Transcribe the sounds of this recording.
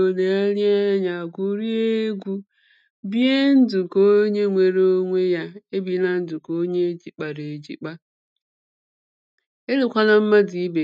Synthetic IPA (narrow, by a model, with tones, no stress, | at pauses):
o˨ne˨a˦ɾi˦a˦ɲa˨ɡʷu˦ɾi˦e˦ɡʷu˦ | bi˦e˦n̩˦du˨ko˦ɲe˦ŋʷe˨ɾo˦ŋʷe˦ja˦e˦bi˨na˦n̩˦dʊ˨ko˦ɲe˦d͡ʒi˨k͡pa˨ɾe˨e˨d͡ʒḭ˨k͡pa˦ | e˦li˦kʷa˦na˦m̩˦ma˦di˨˦be˨